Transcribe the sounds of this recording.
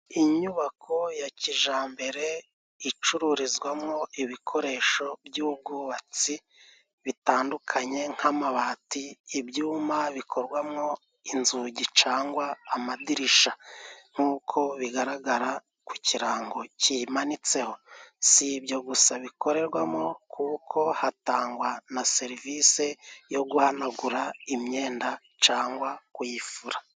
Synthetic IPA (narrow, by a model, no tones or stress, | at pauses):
iɲuβakʰo̞jaciʒaːmbe̞ɾe̞ | it͡ʃuɾuɾizɡwamŋo̞ʔiβikʰo̞ɾe̞ːʃo̞bjuːb̚ɡuβat͡si | βitaːndukʰaɲe̞ŋ̥hamaβaːtiːbjuːmaβikʰo̞ɾɡwamŋo̞ | inzuɟit͡ʃaːŋɡwaːmadiɾiʃaŋ̥uːkʰo̞βiɡaɾaɡaɾa | kuciɾaːŋɡo̞cimanit͡se̞ho̞sibjo̞ɡusaβiko̞ɾe̞ɾɡwamŋo̞kʰuːkʰo̞hataːŋɡwanase̞ɾivise̞jo̞ɡuhanaɡuɾaimɲe̞ːnda | t͡ʃaːŋɡwakwjifuɾa